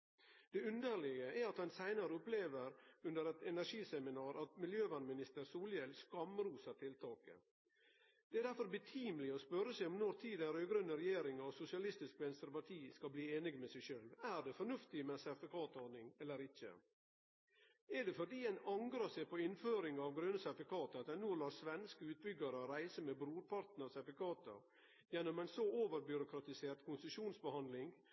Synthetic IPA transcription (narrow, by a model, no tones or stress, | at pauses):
d̪̥ɛʉnd̪əɾɭɪɡəʔæɾɑt̪hɑnsæɪnəɾəʊpleːʋəɾʉnd̪əɾɛt̪ɛnæʂiːsɛmɪnɑːɾɑt̪mɪljøːʋɑnmɪnɪst̪əɾsuːljɛlskɑmɾuːsəɾt̪ʰɪlt̪ʰɑːkə̰ | d̪̥ɛæɾd̪æɾfɔɾbət̪ʰiːmlɪɔspœɾːəsæɪɔmnɔɾt̪ʰiːd̪ɛnɾøːɡɾœnːəɾɛjeːɾɪŋɑʋsʊsɪɑlɪst̪ɪskʋɛnst̪əɾpɑʈ̪ʰiːskɑlbliːeːnɪɡmɛsæʃøːlʋæɾd̪ɛfɔnʉft̪ɪmɛsɛɾfɪkʰɑːt̪ɔnɪŋɛlːəɾɪçə̰ | æɖɛfɔɾɖ̪iːɛnɑŋkɾəsæɪpɔɪnføːɾɪŋɑʋɡɾønəsɛɾfɪkʰɑːt̪əɑt̪̚d̪ɛnuːlɑːsʋɛnskəʉːt̪̚bʏɡəɾəɔɾæɪsəmɛbɾuːɾpʰɑɾt̪nɑʋsɛɾfɪkʰɑːt̪ə̰ɾ | jɛnːʊmæɪnsɔoːʋəɾbjʏɾʊkʰɾɑt̪ɪseːɾt̪kʰʊnsəʃuːnsbəhɑnd̪lɪŋ